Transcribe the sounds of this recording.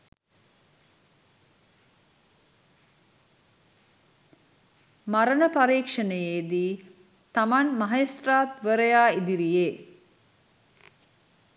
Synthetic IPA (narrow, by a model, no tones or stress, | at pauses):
maɾənəpaɾiːkʂənəjeːd̪iː | t̪amanmaɦest̪raːt̪ʋəɾəjaːid̪iɾijeː